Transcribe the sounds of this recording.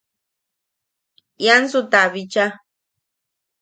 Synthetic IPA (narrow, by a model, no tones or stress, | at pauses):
jansut̪aβit͡ʃa